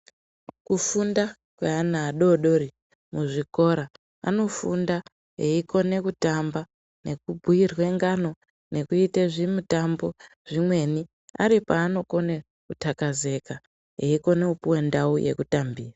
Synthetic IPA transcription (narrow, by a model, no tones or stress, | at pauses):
kufunda | kweanaːɗo̞ɗo̞ri | muʐiko̞ɾa | a̰no̞funda | ɦeiko̞ne̞kutamba | ne̞kubʱujirwe̞ŋɡano̞ | ne̞kuiteʐimutambo̞ | ʐ̥imwe̞ni | a̰ɾipaːno̞ko̞ne | kutakaze̞ka | ɦeiko̞ne̞upuwe̞ndauje̞̰kutambiːra